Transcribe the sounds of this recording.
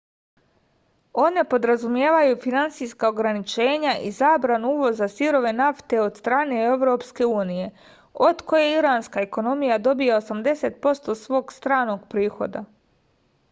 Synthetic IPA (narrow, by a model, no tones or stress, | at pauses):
o̞ne̞po̞d̪ɾazumje̞ːʋajufinant̪sijskao̞ɡɾanit͡ʃe̞ːɲaʔizaːbɾanuuːʋo̞zasiɾo̞ʋe̞naft̪e̞o̞d̪st̪ɾaːne̞e̞ʋɾo̞pske̞uːnije̞ | o̞d̪ko̞je̞iɾaːnskae̞ko̞no̞mijad̪o̞bijaosamd̪e̞se̞t̪̚po̞st̪o̞sʋo̞ːɡst̪ɾaːno̞ɡpɾiːxo̞̰d̪a